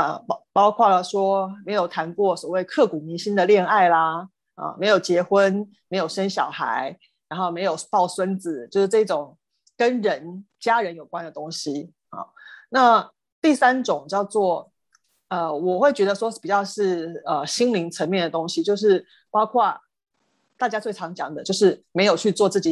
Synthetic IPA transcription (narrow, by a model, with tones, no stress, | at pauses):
ə˧˩pɑ˥ʊkʰwa˥˩lə˩ʂwɔ˥me˧˥ɪjo˨˩ʊt̪ʰa˧˥nkwɔ˥˩swɔ˨˩we˥˧ɪkʰɤ˥˩ku˨˩ni˧˥nɕi˥nd̪ə˨ljɛ˥˧na˥˩ɪlɐ˩ | ə̰˨˩me˧˥ɪjo˨˩ʊt͡ɕjɛ˧˥xwə˦˥n | me˧˥ɪjo˨˩ʊʂə˥nɕjɑ˨˩ʊxa̰˧˥ɪ | ɻa˧˥nxo˥˩ʊme˧˥ɪjo˨˩ʊpɑ˥˩ʊswə˦nd͡zɹ̩˨˦t͡ɕjo˥˧ʊʂɻ̩˥˧ʈ͡ʂɤ˥˩i˥˩ʈ͡ʂʊ˨˩ŋ | kə˦nɻə˧˦˥nt͡ɕja˥ɻə˧˦njo˨˩ʊkwa˦nd̪ə˨t̪ʊ˥ŋɕi˦ | xɑ̰˥˨˩na˥˧ | t̪i˥˩sa˥nʈ͡ʂʊ˨˩˦ŋt͡ɕjɑ˥˧ʊt͡swɔ˥˩ | ə˧wɔ˨˩xwe˥˩ɪt͡ɕɥɛ˧˥d̪ə˨˧ʂwɔ˥pi˨˩t͡ɕjɑ˥˧ʊʂɻ̩˥˩ə˨ɕi˥ŋli˧˥ŋt͡sʰə˧˥nmjɛ˥˩nd̪ə˨˩t̪ʊ˥ŋɕi˦t͡ɕjo˥˧ʊʂ̬ɻ̩˥˩ | pɑ˥ʊkʰwa˥˩ | t̪a˥˩t͡ɕja˥t͡swe˥˩ɪɑ˧˥ŋt͡ɕjɑ˨˩ŋd̪ə˧˦t͡ɕjo˥˧ʊʂɻ̩˥˩me˧˥ɪjo˨˩ʊt͡ɕʰy˥˧t͡swɔ˥˧t͡sɹ̩˥˩t͡ɕi˨˩